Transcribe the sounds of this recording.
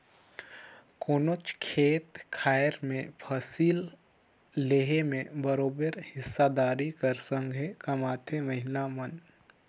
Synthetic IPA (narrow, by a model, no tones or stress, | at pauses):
koːnot͡ʃkʰeːt̪kʰaːjəɾmẽpʰəsiːlː | eːɦemẽbəɾoːbəɾhɪsːad̪aːɾikəɾsə̃ŋɡʱekɐmaːt̪ʰemɐɦɪlamən